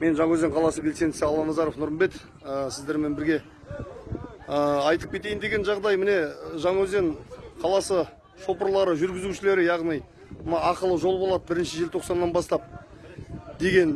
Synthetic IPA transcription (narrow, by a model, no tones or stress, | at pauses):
me̞nʒɑŋwɵzd̪eɴqʰɑlˠɑsəbʲe̞lse̞nd̪ɪsɪɑlˠːɑnɑzɑɾo̞fnʊɾənbe̞t̪ | əsɪzd̪e̞ɾme̞nbɪɾɡʲe̞ | əɑjt̪əp̚kʲʰe̞t̪e̞jɪnd̪e̞ɡʲe̞nʒɑʁd̪ɑjmɪne̞ʒɑɴwɵzd̪e̞ɴqʰɑlˠɑsə | ʃo̞pəɾlˠɑɾəʒʏɾɡʲɪzuʃɪle̞ɾɪjɑʁnij | mənɑɑqəlˠəʒo̞lˠbo̞lˠɑd̪əbɪɾɪnʃɪʒɪlt̪ʰoqsɑnːɑnbɑst̪ɑp̚ | d̪e̞ɡʲe̞n